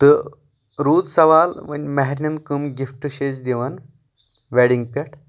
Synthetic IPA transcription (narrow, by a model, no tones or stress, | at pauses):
t̪ɨ | ɾuːd͡zsɐʋaːlʋɐ̰nʲmɐɦɾnɐnkəmɡifʈɕeːsd̪iʋɐn | ʋɛɽiŋɡ̚pʲɐʈʰ